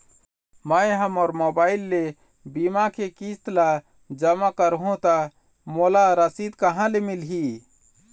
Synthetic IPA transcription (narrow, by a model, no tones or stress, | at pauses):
məjɦɐmɔːɾmoːbaːɪlːe | bimakʰekist̪la | d͡ʒəmakəɾɦõt̪a | molaɾəsiːd̪kəɦãlemɪlɦi